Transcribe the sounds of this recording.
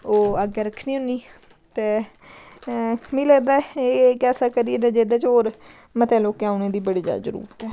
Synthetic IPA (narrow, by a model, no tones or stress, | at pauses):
oːəɡeːɾəkʰniːʊniː | t̪eː | miːlɛːd̪aːekɛːsaːkəɾied̪ɛːd͡ʒeːd̪eːt͡ʃɦoːɾ | mət̪ɛːloːkeaːʊnẽːd̪iːbəɽiːd͡ʒa̰ːzəɾṵːɾət̪ɛː